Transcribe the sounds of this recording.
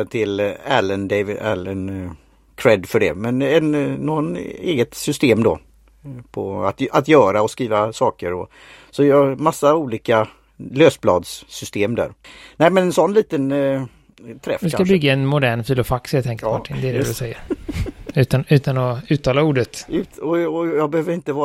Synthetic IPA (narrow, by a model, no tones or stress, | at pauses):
t̪ʰɪlæ̰lənd̪ɛvɪæ̰lən | kʰɾɛd̪fœɖɛ̰mɛnɛnnoːɡɔnḛːɡət̪sʏst̪eːmd̪ɔ̰ | pʰɔa̰t̪at̪jœːɾaɔskɾiːvasɑːkəɾɔ̰ | sɔjɑmasːauːliːka | løːsblɑ̰ːd̪ssʏst̪eːmd̪æ̰ːɾnæɪmɛnɛnsɔnːliːt̪ən | t̪ʰɾɛ̰fːɪskakabʏɡːaɛnmʊd̪æːɳfiːlʊfaksɛlt̪ʰɛŋkəɾmaʈʰːɪnd̪ɛdɛd̪ɪsɛjːəɾ | ʉ̟ːt̪anʉ̟ːt̪anɔʉ̟ːt̪ʰːɑːlauːɖət̪ʉt̪ɔɔjɑːɡ̚bɛhøːvəɾɪnt̪əvɑː